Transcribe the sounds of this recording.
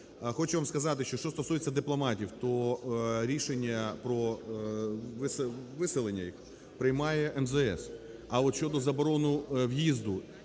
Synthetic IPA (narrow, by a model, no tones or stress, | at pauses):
xɔt͡ʃʊʋamskɐzɑt̪ɪʃt͡ʃɔʃt͡ʃɔst̪ɔsujet͡sʲːɐd̪ɪplˠɔmɑtʲiwt̪ɔɾʲiʃenʲːɐpɾɔ | ʋɪsʋɪsɪlˠenʲːɐjix | pɾɪjmɑjɛʔɛmzɛɛ̰s | ɐɔt̪ʃʲt͡ʃɔd̪ɔzɐbɔɾɔnʊwjizd̪ʊ